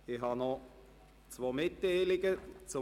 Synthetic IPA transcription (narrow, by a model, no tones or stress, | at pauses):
ɪxhɑnɔ | t͡svoːmɪtːeɪlɪɡət͡sʊ